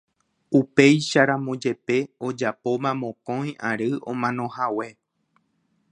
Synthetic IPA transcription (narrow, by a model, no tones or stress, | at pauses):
upe̞jʃaɾãmõd͡ʒe̞pe̞od͡ʒapo̞mãmõkõj̃ʔaɾɨʔõ̞mãnõ̞hawe̞